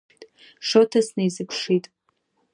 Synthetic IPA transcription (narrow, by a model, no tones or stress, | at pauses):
tʼ | ʂotʰasnɨjzɨpʰʂitʼ